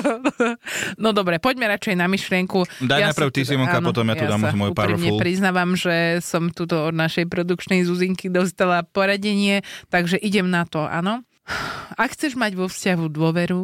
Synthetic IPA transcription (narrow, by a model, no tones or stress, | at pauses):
nɔd̪ɔbɾɛpɔɟmɛɾat͡ʃɛjnamiʃlɪɛŋkud̪ajj̪ajpɾr̩ʊt̪isimɔkanɔt̪ɔmjaj̪ud̪aːmmɔjupa̰ɾimɲɛpɾiznaːʋamʒɛsɔmt̪uːt̪ɔɔd̪naʃɛjpɾɔd̪ukt͡ʃnɛjzuziŋkid̪ɔst̪alapɔɾaɟɛɲɪɛt̪aɡʒɛʔiɟɛmnat̪ɔʔa̰nɔ | akxt͡sɛʒmaɟʋɔfscaɦud̪ʊɔʋɛɾu